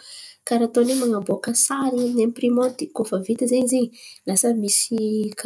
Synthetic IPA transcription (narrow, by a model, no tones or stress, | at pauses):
kaɾat̪onemaŋaboakəsaɾinemiprimont̪ikofəvit̪əzeɲizeɲlasəmisik